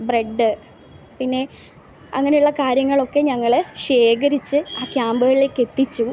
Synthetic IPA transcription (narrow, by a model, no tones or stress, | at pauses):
bre̞ɖːɨ | pinːe̞ | ɐŋːɐne̞juɭːɐkaːɾjɐŋːɐɭo̞kːe̞ɲɐŋːɐɭeɕe̞ːkɐɾit͡ɕːɨaːkjaːmbɣɐɭile̞ːkːe̞t̪ːit͡ɕːu